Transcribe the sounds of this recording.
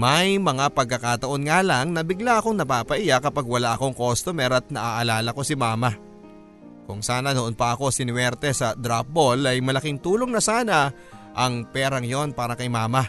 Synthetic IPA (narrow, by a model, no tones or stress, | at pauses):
mɐjmɐŋapɐɡ̚kːɐkat̪ɐʔo̞nŋaːlaŋnɐbɪɡlaʔɐko̞ŋnɐpaːpɐʔɪjakɐpaɡwɐlaʔɐko̞ŋkost̪omɛɾɐt̪̚nɐʔaʔɐlaːlɐko̞sɪmaːma | kʊŋsaːnɐnoʔonpɐʔɐko̞sɪnwɛɾt̪ɛsɐd̪ɾap̚bolɐjmɐlɐkɪŋt̪uːlo̞ŋnɐsaːnɐ | ʔɐŋpɛːɾɐŋjo̞npaːɾɐkɐjmaːma